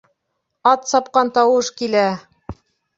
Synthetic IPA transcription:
ɑt̪sɑp̚qɑnt̪ɑwɤʃkilæ

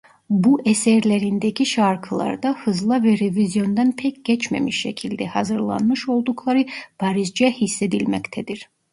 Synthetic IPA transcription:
buʔesɛɾlʲeɾind̪ɛcʰiʃɑɾkʰɯlˠɑ̰ɾd̪ahɯzlˠɑvɛɾevizjo̞nd̪ɑnpʰɛcʰɟ̥ɛt͡ʃmɛ̰miʃːɛcʰilʲd̪ɛhɑzɯɾlˠɑ̰nmɯʃo̞lˠd̪ukʰlˠɑɾɯbʰɑɾizd͡ʒɛhisːed̪ilʲmɛct̪ʰɛd̪iɾ̥

